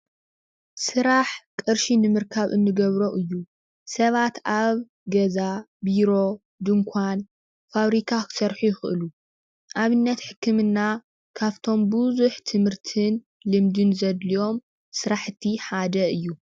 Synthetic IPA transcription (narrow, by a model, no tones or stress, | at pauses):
sɨɾaħkʼɨɾʃinɨmɨɾkʰaβʔɨnːɨɡɐβɾoʔɨjːu | sɐβat̪aβ | ɡɐza | biɾo̞ | d̪ɨŋkʷʰan | faβɾik̪ʰasɐɾħujɪxɨʔɨlu | ʔaβɨnːɐt̪ħɨkʰːɨmɨnːa | kʰaβt̪ʰo̞mbuzuħt̪ʰɨmhɨɾt̪ʰɨn | lɨmd̪ɨnzɐd̪lijo̞m | sɨɾaħt̪ʰːiħad̪ɐɨjːu